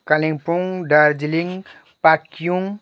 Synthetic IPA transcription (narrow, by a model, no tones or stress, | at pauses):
kalĩŋpuŋɖaɾd͡ʒiliŋɡ | pakjuŋ